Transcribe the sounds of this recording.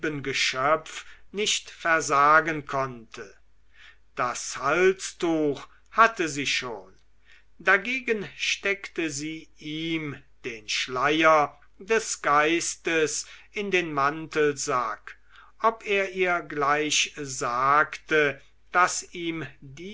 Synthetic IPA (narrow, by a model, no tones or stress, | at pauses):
bənɡəʃœpfnɪʃtfɛɐzaːɡənkʰɔntʰə | d̥ashalstuːx | hatəziːʃoːn | daɡeːɡənʃtɛktəziːʔiːmd̥eːnʃlajɐ | dɛsɡ̥aɪstəsʔɪndeːnmantəlza̰k | ʔɔpeːɐʔiːɐɡlaɪʃzaːktə | d̥asiːmdiː